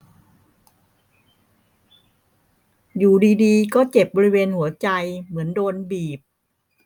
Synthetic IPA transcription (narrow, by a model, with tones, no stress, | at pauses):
juː˨˩diː˧diː˧kɔː˥˩t͡ɕe˨˩p̚bɔː˧ɾi˦˥weː˧nhu˩˦ɐt͡ɕa˧jmɯ˩˦əndoː˧nbiː˨˩p̚